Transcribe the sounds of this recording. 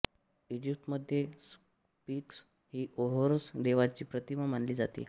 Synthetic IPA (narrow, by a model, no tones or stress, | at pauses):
ed͡ʑip̚ʈməd̪ʱjes | piːks | ɦiːʔoɦoɾsd̪eʋat͡ɕiːpɾət̪imamanliːd͡zat̪ḭː